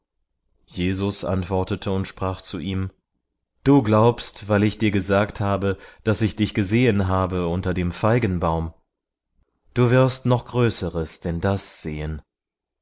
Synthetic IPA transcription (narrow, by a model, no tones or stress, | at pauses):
jeːzʊsʔa̰ntv̥ɔɐtətʰəʊntʃpʁ̥aːχt͡suʔiːm | d̥uːɡlaʊpstv̥aɪlɪçd̥iːɐɡəzaːkthaːbəd̥asɪçd̥ɪçɡ̥əzeːənɦaːbəʊntɐdeːmfaɪɡn̩baʊm | d̥uːvɪɐstnɔχɡ̥ʁøːsəʁəsd̥ɛndasz̥eːən